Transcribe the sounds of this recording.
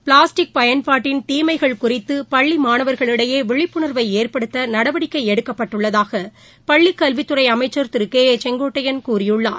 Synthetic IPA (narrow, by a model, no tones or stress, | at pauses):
pɭaːsʈɪk̚pɐjɐnpaːʈːɪnt̪iːmɐɪɣɐɭkʊrɪt̪ːɯpɐɭːimaːnɐʋɐɾɣɐɭɪɽɐjeːʋɪɭɪpːɯɳɐɾʋɐɪeːɾpɐɽɯt̪ːɐnɐɽɐʋɐɽɪkːɐɪɛɽɯkːɐpːɐʈːɯɭːɐðaːɣɐ | pɐɭːɪkːɐlʋɪt̪ːɯɾɐɪɐmɐɪt͡ʃːɐɾt̪ɪɾɯkːeːt͡ʃɛŋɡoːʈːɐjɐnkuːrɪjɯɭːa̰ːɾ